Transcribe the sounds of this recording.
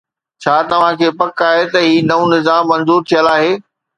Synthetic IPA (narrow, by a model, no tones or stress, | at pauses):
t͡ɕʰaːt̪ɐʋ̤ãkʰeːpɐkaːɦet̪ɐɦiːnɐũnɪzaːmːɐ̃nzuːɾt̪ʰijəlaːɦeː